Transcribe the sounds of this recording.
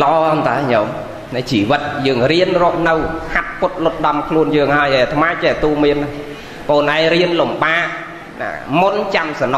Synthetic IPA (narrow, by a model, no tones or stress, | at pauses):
ləʔɑːnt̪aɛɲom | nɨt͡ɕiːʋɨt̪̚jəːŋriənrɔ̆əp̚nɨwhʰat̪̚kʊt̪̚lʊt̪̚ɗɑmkʰluənjəːŋhaəjʔeːt̪ʰmaːt͡ɕɛːt̪uːmiənːa | poːnʔaɛŋriənlumɓaːʔ | na̰ːmunt͡ɕamsɑno